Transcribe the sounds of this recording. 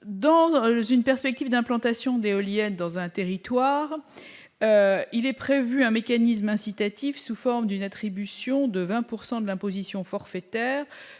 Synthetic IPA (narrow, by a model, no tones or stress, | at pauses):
d̪ɑ̃zynpɛʁspɛk̚t̪ivd̪ɛ̃plɑ̃t̪asjɔ̃d̪eɔljɛnd̪ɑ̃zɛ̃t̪eʁit̪waːʁ | øilɛpχevyɛ̃mekanis̬mɛ̃sit̪at̪ifsufɔʁmd̪ynat̪χibysjɔ̃d̪əvɛ̃puʁsɑ̃d̪əlɛ̃pozisjɔ̃fɔʁfɛt̪ɛːʁ